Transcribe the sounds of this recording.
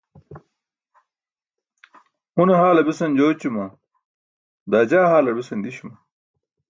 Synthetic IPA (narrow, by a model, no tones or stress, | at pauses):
huneɦaːlɐbisɐnd͡ʑoːt͡ɕimɐ | d̪aːd͡ʑaːɦaːlɐbisɐnd̪iɕumɐ